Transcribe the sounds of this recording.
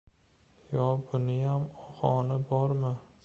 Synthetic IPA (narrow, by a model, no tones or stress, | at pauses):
jɒbʊnɪjamɒhɒnɪbɒɾmɪ